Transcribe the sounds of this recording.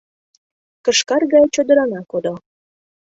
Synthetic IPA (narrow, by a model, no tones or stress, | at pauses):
kə̆ʃkɑrɣɑjt͡ɕod̪ə̆ɾɑnɑkod̪o